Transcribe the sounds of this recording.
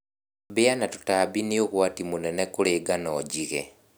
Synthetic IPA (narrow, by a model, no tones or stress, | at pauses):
bianatu̥taβinioɣwatimunenekuleːɡanoɟiɣḛ